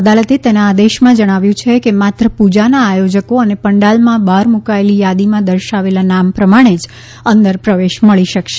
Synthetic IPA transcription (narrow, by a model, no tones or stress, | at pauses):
əd̪alət̪et̪enaːd̪eʃmãd͡ʒəɽ̃aʋjũt͡ʃʰekemat̪ɾəpud͡ʒanaːjod͡ʒəkoənepəɳɖalmãbʱaɾmukaelijad̪imãd̪əɾʃaʋelanampɾəmaɽ̃ed͡ʒ | ənd̪əɾpɾəʋeʃməɭiʃəkʃe